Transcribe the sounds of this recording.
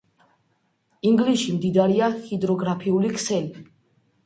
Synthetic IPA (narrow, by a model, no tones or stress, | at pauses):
iŋɡliʃimd̪id̪aɾiahid̪ɾɔɡɾapʰiulikʰsɛli